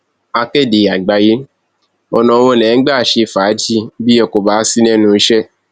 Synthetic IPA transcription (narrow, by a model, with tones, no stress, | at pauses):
a˧ke˦˨de˨a˨ɡ͡ba˧je˦ | ɔ˧nã˨˧wɔ̃˧˦˨nɛ̃˨˦ɡ͡ba˦˨ʃe˧˦˨faː˨˦d͡ʒi˦bi˦ɛ˧˨ko˨ba˨˦si˦nɛ̃˦nũ˧˦i˦ʃɛ˦